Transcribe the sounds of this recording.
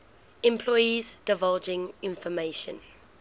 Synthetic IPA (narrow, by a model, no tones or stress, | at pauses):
ɛ̃mpʰlɔjizd̥ɪvald͡ʒɪ̃ŋɪ̃nfɔmeːʃə̰̃n